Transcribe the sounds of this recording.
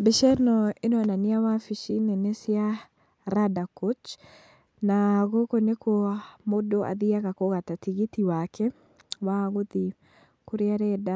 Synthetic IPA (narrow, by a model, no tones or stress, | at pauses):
beʃɛnɔenɔananiawafiʃinɛnɛsia | ɾadakot͡ʃ | naɣokonekʰoamodoʔa̰ðiaɣakoɣatatiɣitiwakɛ | waɣoði | koɾeaɾɛda